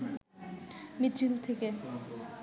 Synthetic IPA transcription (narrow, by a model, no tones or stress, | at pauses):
mit͡ʃʰilt̪ʰeke